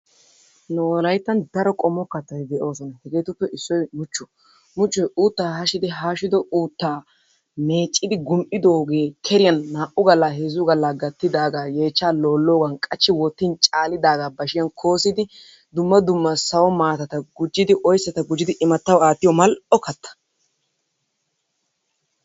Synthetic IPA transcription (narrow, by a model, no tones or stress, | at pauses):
noːlɐjt̪ːɐnd̪ɐɾɔkʼɔmːɔkːɐt̪ːɐtd̪ɛʔo̞ːsɔnɐhɛɡeːt̪ʊpːɛʔɪsːɔjmʊt͡ʃːɔ̥ | mʊt͡ʃːɔjʔuːt̪ːaːhɐʃɪd̪ɪɦaːʃɪd̪ɔʔuːt̪ːaː | meːt͡ʃʼːɪd̪ɪɡʊmʔɪd̪oːɡe̞ːkʰɛɾɪjɐnːaːʔʊɡɐlːaːɦezʊɡɐlːaːɡɐt̪ːɪd̪aːɡaːje̞ːt͡ʃːaːlo̞ːlːo̞ːɡɐnkʼɐt͡ʃːɪwɔt̪ːɪnt͡ʃʼaːlɪd̪aːɡaːbɐʃɪjɐnkʰo̞ːsɪd̪ɪ | d̪ʊmːɐd̪ʊmːɐsɐwɔmaːt̪ɐt̪ɐɡʊd͡ʒːɪd̪ɪʔɔjsːɐt̪ɐɡʊd͡ʒːɪd̪ɪʔɪmɐt̪ːɐwaːt̪ːɪjɔmɐlɔkɐt̪ːɐ̥